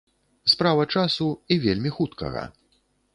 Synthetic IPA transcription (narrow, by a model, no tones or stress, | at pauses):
spɾavɐt͡ʂasuivʲelʲmʲixut̪kɐ̰ɣɐ̰